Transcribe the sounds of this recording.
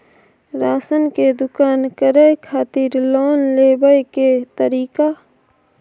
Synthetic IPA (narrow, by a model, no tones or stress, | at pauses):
ɾaːsənked̪ʊkaːnkəɾəjkʰaːt̪ɪɾlɔːnleːbəjket̪əɾiːka